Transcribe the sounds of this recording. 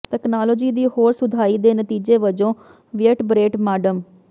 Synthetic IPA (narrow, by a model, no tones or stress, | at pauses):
t̪ɛːknaːlɔːd͡ʒiːd̪iːhoːɾsʊd̪ʱaːiːd̪eːnət̪iːd͡ʒeːʋəd͡ʒõː | ʋɪəʈbɾeːʈmaːɖəm